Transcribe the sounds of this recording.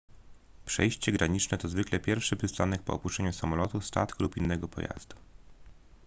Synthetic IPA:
pʂɛ̰jɕt͡ɕɛɡɾaɲit͡ʂnɛt̪ɔzvɘklɛpʲjɛɾfʂɘpɘst̪anɛk̚pɔ̰ɔpuʂɛɲusamɔlɔt̪ust̪a̰t̪kulupinːɛɡɔpɔ̰ja̰z̥d̪u

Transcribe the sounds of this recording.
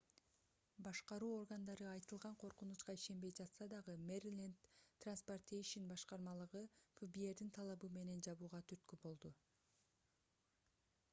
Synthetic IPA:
bɑʃqɑɾuːo̞rɡand̪ɑɾɯɑjt̪ɯlˠʁɑɴqʰo̞ɾqunut͡ʃqɑiʃe̞nbe̞jd͡ʒɑt̪sɑd̪ɑʁɯmerilʲent̪t̪ːransport̪ʲejʃinbɑʃqɑɾmɑlˠɯʁɯfubie̞ɾd̪int̪ʰɑlˠɑβɯme̞ne̞nd͡ʒɑβuːʁɑt̪ʰyɾt̪̚kybo̞lˠd̪u

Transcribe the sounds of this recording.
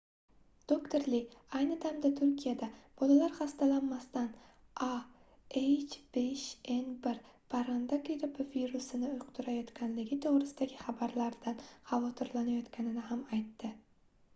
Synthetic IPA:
d̪̥okt̪ʰoɾlɪajnɪd̪amd̪at̪ʰʊɾkʲʰijad̪ab̥ɒlalaɾχast̪alanmast̪an | ʔa | ejt͡ʃb̥eʃe̞nbɪɾpʰaɾand̪akiɾɪpɪviɾusɪnɪʊjqt̪ʰʊɾajɒt̪kʲanlɪɡʲɪt̪ʰoʁɾɪsɪd̪aɡʲɪχabaɾlaɾd̪anχavɒt̪ʰɪɾlanajɒt̪kʲʰanɪnɪɦamajt̪ʰːɪ

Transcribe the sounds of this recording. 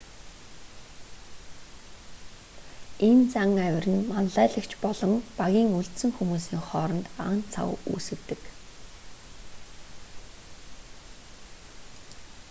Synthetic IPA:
ent͡saŋæwʲɪ̆rɘ̆nmanæːɮə̆kt͡ɕʰpɔɮɞ̆ŋpaɣʲiːŋuɬt̪sɘ̆ŋxumuːsiːŋχɔːɾɞ̆nt̪a̰nt͡sʰa̰wṵːsɘ̆kt̪ɘ̆k

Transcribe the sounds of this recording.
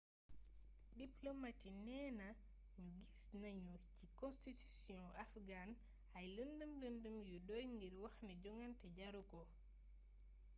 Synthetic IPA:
diplomatinɛːnɐ | ɲuɡisnɐɲucikɔ̃nstitusjɔ̃ɐfɡan | ɐjləndəmləndəmjudɔjŋɡiɾwɐxnɛɟɔŋɐntɛɟɐɾukɔ

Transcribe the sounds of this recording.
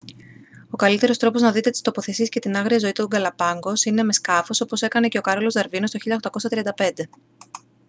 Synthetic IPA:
o̞kɐlit̪e̞ɾo̞st̪ɾo̞po̞znɐðit̪e̞t̪i̥st̪o̞po̞θe̞siesce̞t̪inɐɣɾiɐzo̞it̪uɡɐlɐpɐŋɡo̞sine̞me̞skɐfo̞so̞po̞se̞kɐne̞ce̞o̞kɐɾo̞lo̞zd̪ɐɾvino̞st̪oçiʎɐoxt̪ɐko̞sɐt̪ɾiɐnd̪ɐpe̞nd̪e̞

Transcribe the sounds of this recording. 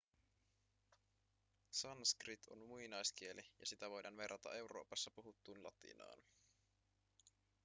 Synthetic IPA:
sɑnskrit̪ʰo̞̰nmuinɑjskie̞lʔijɑsit̪æʋo̞jdɑːnʋe̞rʔːɑt̪ɑ̰e̞wɾo̞̰ːpɑsːɑpuɦut̪ːuːnlɑt̪ḭnɑ̰ːn

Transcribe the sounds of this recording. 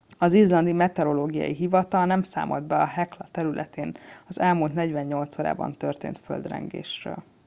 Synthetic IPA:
ɒzizlɒnd̪imɛt̪ɛɾo̞loːɡijɒ̰jiɦivɒt̪ɒnɛmsa̰ːmʔold̪bɛɒɦɛklɒt̪ɛɾylʔɛt̪eːnɒzɛlmult̪nɛɟʋɛɲːo̞lt̪soːɾa̰ːbɒ̰nt̪ø̞rt̪ḛːnt̪fø̰ld̪rɛ̰ŋɡḛːʃrø̰ːl

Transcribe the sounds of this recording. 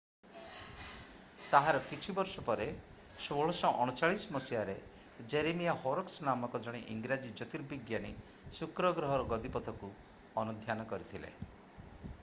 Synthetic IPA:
t̪aɦaɾɔkit͡ʃʰibɔɾsɔpɔɾe | soɭɔsɔʔɔɽ̃ut͡ʃaɭisɔmɔsijaɾe | d͡ʒeɾemijahoɾɔksnamɔkɔd͡ʒɔɽ̃iʔiŋɡɾad͡ʒid͡ʒɔt̪iɾbiɡjani | sukɾɔɡɾɔɦɔɾɔɡɔd̪ipɔt̪ʰɔku | ɔnud̪ʱjanɔkɔɾit̪ʰilḛ

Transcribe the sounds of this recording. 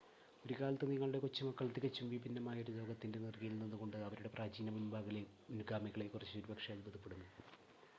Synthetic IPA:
o̞ɾukaːlɐt̪ːeniŋːɐɭuɽe̞kot͡ɕːumɐkːɐɭt̪ikɐt͡ɕːumʋibinːɐmaːjoɾudo̞ːɡɐt̪ːinde̞nirkijilninːuɣo̞ɳɖɨɐʋɐɾuɽe̞praːd͡ʑiːnɐmunbaːɣɐle | unuɡaːmiɣɐɭekːurɐt͡ɕːɨoɾubɐkʂɐaːlubɐðupːeɽunːu

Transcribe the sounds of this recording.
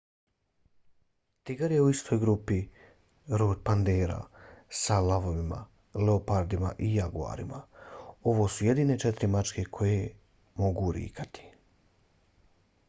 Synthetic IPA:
t̪iɡaɾje̞uist̪ʰo̞jɡɾupi | ɾoːd̪̚pand̪eːɾa̰salaʋo̞ʋima̰ | leopaɾd̪imaʔijaɡua̰ːɾḭmao̞ʋo̞ːsuje̞d̪iːne̞t͡ʃɛt̪ɾimat͡ʃke̞kʰo̞je | mo̞ɡuɾḭːkʰat̪i̥

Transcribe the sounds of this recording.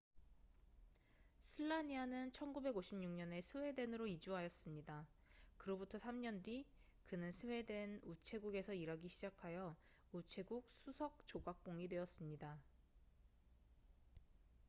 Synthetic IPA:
sʰɯɭːaɲianɯnt͡ɕʰʌnɡube̞ɡoɕʰimɲuŋɲʌne̞sʰɯwe̞de̞nɯɾoid͡ʑuɦajʌs͈ɯmɲidakɯɾʌbutʰʌsʰamɲʌndɥi | kɯnɯnsʰɯwe̞de̞nut͡ɕʰe̞ɡuɡe̞sʰʌiɾaɡiɕʰid͡ʑakʰajʌ | ut͡ɕʰe̞ɡuk̚sʰusʰʌk̚t͡ɕoɡak̚k͈oŋidwe̞ʌs͈ɯmɲida

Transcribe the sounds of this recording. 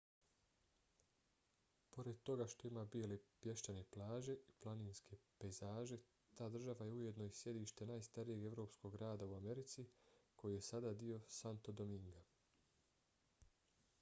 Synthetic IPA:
po̞ɾe̞d̪̚t̪o̞ɡaʃt̪o̞imaːbielepje̞ʃt̪ane̞plˠaːʒe̞iplˠaniːnskʰe̞pezaːʒe̞ | t̪aːd̪r̩ʒaʋaje̞uje̞d̪no̞isje̞d̪iːʃt̪enaːjst̪aɾije̞ɡe̞ʋɾo̞ːpsko̞ɡɡɾaːd̪auame̞ɾit̪sikʰo̞jije̞sad̪aːd̪io̞sant̪o̞d̪o̞miŋɡa

